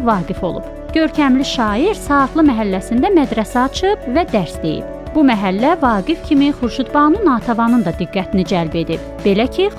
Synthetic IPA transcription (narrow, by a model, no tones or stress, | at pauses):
vɑːɡifo̞lˠṵb̥ | ɟ̥ø̞ɾcʰæmliʃɑːiɾsɑɯxlˠɯmæɦælːæsind̪æmæd̪ɾæsæɑt͡ʃʰɯbvæd̪æɾsd̪e̞jḭb̥ | bumæɦælːævɑːɡifcʰimiχuɾʃut̪bɑnɯnɑːt̪ʰɑvɑnɯnd̪ɑd̪iɡːæt̪ʰinid͡ʒælbe̞d̪ib̚ | b̥e̞læcʰi